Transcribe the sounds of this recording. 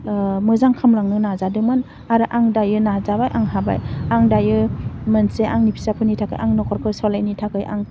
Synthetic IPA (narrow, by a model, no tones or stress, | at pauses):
mɯzaŋkʰamlaŋnɯnazadɯmɯn | aɾɯʔaŋdajɯnazabajʔaŋɦaba̰jaŋdajɯmɯnseʔaŋnipʰi̥sapʰɯnitʰakɯ̰jʔaŋnɔkʰɔɾkʰɯsɔlajnitʰakʰɯjʔa̰ŋ